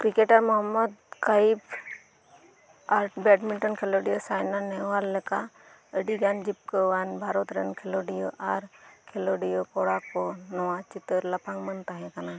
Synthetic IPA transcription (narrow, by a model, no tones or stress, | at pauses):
kɾikeʈəɾmɔɦəmːəd̪kaib | aɾbɛʈmilʈɔnkʰeloɽijosajnaneʋalːeka | əɖiɡand͡ʒip̚kəʋanbʱaɾot̪ɾənkʰeloɖijoʔaɾkʰeloɖijokoɽakonɔwat͡ʃit̪əɾlɐpʰãŋmənt̪aɦɛ̃kana